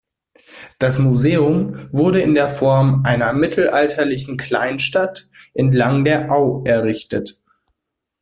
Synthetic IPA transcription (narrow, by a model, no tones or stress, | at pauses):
d̥asmuzeːʊmvʊɐɾəɪndeːɐfɔɐmʔaɪnɐmɪtʰl̩ʔaltʰɐlɪçn̩kʰl̥a̰ɪnʃtatʔɛntlaŋdeːɐʔaʊʔɛɐʁɪçtət